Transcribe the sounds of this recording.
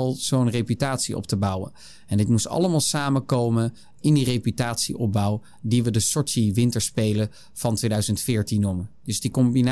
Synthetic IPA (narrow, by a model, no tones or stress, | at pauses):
lˠz̥ownrepytaːtsiʔɔ̰ptəbʌwə̰n | ɛndɪtmustɑ̰ləmaːlˠsaːməkowmən | ɪndirejpytaːtsiʔɔb̚bʌw | diʋədəsɔɹtiʋɪntəɹspejlə | v̥ɑntʋejdœɥzəntfɪːɹtinːumənd̥ɵzdikɔmbin